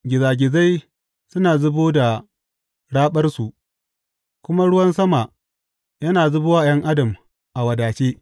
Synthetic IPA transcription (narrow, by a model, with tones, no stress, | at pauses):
ɡʲɪ˨zaː˨ɡʲɪ˨za˦j | sʊ˦naː˨zʊ˦boː˦da˨ | ɽaː˦ɓɐ˦rsu˨ʔ | kʷʊ˦ma˦ɽʊ˦wɐ˦nsɐ˦ma˨ | jɐ˦naː˨zʊ˦bʊ˦waː˦jɐ˦ŋʔa˦dɐ˨m | ʔa˨wɐ˨daː˨t͡ʃeː˦